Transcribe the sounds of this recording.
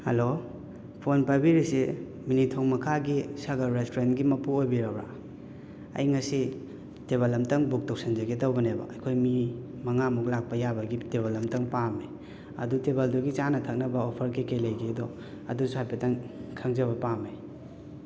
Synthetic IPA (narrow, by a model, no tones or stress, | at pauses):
hɐ̰lo | pʰonpabiɾise | minitʰoŋmɐkʰaɡisɐɡɐɾɾestoɾentɡimɐpuojbiɾɐbɾa̰ | ɐ̰jŋɐsi | teβalɐmtɐŋbuk̚tow̚senzɐɡetawbɐnebɐ̰ʔɐjkʰojmi | mɐŋamuk̚lak̚pɐjabɐɡiteβalɐmtɐŋpame | ɐ̰dutebalduɡit͡ʃanɐtʰɐk̚nɐbɐopʰɐɾkikejlɐjɡedɔ | ɐ̰dusuhajpetɐŋkʰɐŋzɐβɐpame